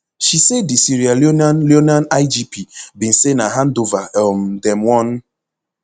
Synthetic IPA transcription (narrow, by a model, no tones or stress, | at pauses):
ʃisedisiɾialnljonanaɪd͡ʒipibin̩senaɦan̩dovaɛm̩dɛmwɔn